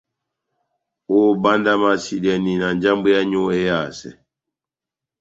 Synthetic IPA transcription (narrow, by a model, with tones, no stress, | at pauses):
o˦˨ba˦nda˦ma˨si˨dɛ˨ni˨na˨n˦d͡ʒa˦mbu˦ja˦ɲo˦e˦ja˦˨sɛ̰˨